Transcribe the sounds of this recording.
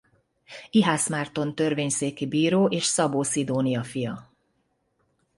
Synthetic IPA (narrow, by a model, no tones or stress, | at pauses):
iɦaːsmaːrt̪o̞nt̪ørveːɲseːkibiːɾoːʔeːʃsɒboːsid̪oːnijɒfijɒ